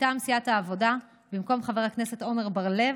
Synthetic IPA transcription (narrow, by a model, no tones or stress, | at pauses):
tamsijathaːvo̞da | bimko̞mχave̞ʁhakne̞se̞t̪o̞meʁbaʁle̞v